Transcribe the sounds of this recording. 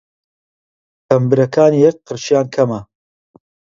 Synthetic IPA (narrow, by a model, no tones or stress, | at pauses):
t̪ʰɐmbɨɾɐkʰaːniːjɛk̚qɨɾʃijaːnkʰɐmɐ